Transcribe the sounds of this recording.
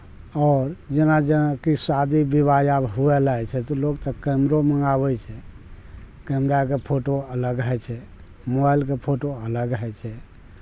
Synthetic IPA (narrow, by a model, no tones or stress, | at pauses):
ɔːɾd͡ʒenad͡ʒenakisad̪ibibajabɦuɛlaɛt͡ʃʰɛt̪ɔloɡt̪əkɛmɾoməŋɡabɛt͡ʃʰɛ | kɛmɾakepʰoʈoələɡɦɛt͡ʃʰɛ | mobajlkepʰoʈoələɡɦɛt͡ʃʰɛ